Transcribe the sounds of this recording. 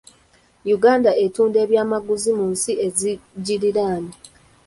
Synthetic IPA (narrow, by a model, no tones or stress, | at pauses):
juɡaːndae̞tuːnde̞ːβjaːmaɡuzimunsie̞ziɟiɾiɾaːni